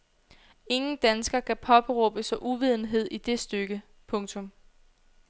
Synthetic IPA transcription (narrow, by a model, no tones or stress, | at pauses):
e̝ŋn̩d̥ænsɡ̥ɐkʰæpʰɒ̽b̥eʁɔːb̥əsɒ̽ʔuʋið̞̰ˠn̩ɦe̝ð̞̰ˠʔid̥e̝sd̥øɡ̥ə | pʰɔ̽ŋt͡sʰɔ̽m